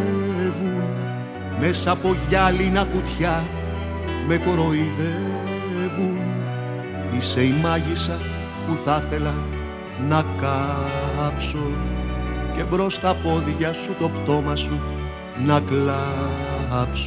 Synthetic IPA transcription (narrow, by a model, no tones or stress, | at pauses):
vun | me̞sɐpo̞ʝɐlinɐkut̪çɐ | me̞kɾo̞iðe | vun | ise̞imɐʝisɐ | puθɐθe̞lɐ | nɐkɐ | pso̞ | ce̞bɾo̞st̪ɐpo̞ðʝɐsut̪o̞pt̪o̞mɐsu | nɐklɐ | ɐps